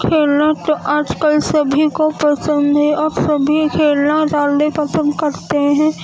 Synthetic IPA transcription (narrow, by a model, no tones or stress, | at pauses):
kʰeːlnat̪ʔaːd͡ʒkəlsəbʱikopɾəsə̃nd̪ʱeɔːɾsɐbʱikʰeːlnaɾaːldepɐsə̃nd̪kɐɾt̪eɦɛ̃ː